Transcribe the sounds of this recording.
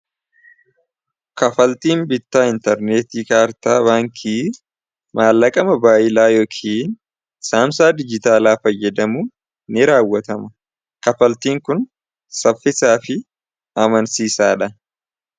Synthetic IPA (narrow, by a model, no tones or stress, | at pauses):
kɐfɐlt̪iːnbɪt̪ːaːɪnt̪ɛɾneːt̪iːkaːɾt̪aːbaːŋkʰiː | maːlːɐkʼɐmɐbaːʔɪlaːjoːkʰiːn | saːmsaːd̪ɪd͡ʒɪt̪aːlaːfɐjːɛd̪ɐmuː | nɪɾaːwːɐt̪ɐmɐ | kɐfɐlt̪iːŋkʊn | sɐfːɪsaːfɪ | ɐmɐnsiːsaːᶑɐ